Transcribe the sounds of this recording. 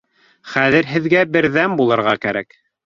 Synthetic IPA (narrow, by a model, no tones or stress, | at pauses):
χæðɘ̆ɾɦɘ̆ðɡæbɘ̆ɾðæmbulˠɤ̆ɾʁɑkæɾæk